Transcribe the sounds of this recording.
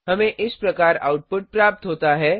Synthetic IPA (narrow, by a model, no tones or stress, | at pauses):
ɦəmẽʔɪspɾəkaɾa̰wʈ̚pʊʈ̚pɾap̚t̪ɦot̪aɦɛ